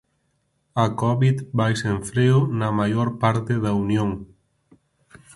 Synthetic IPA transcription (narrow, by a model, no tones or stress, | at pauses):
ɐkɔβiðbajseɱfɾeʊnɐmajoɾpaɾt̪ɪðɐunjõŋ